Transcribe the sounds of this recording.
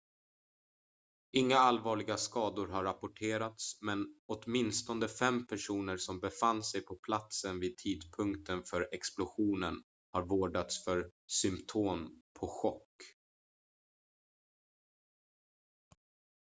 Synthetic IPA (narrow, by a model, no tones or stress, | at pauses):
ɪŋːaalvɑːɭɪɡaskɑːd̪ʊɾɦaɾːapʊʈʰeːɾat̪smɛnɔt̪mɪnst̪ɔnd̪əfɛmːpʰæʂuːnəɾsɔmbɛfanːsɛjpʰɔpʰlat̪sənviːd̪̚t̪ʰiːd̪pʰɵŋkt̪ʰənfœɾɛksplʊɧuːnən | haɾvoːɖat̪sfœɾsʏmpt̪ʰoːmpʰɔɧɔkː